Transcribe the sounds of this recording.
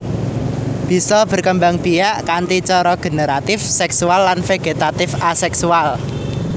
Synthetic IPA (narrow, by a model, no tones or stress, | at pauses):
b̥i̤sɔb̥ə̤rkəmbaŋb̥iaʔkant̪it͡ʃɔɾɔɡ̥e̤neɾat̪ɪfsɛksualːanfeɡ̥et̪at̪ɪfasɛksual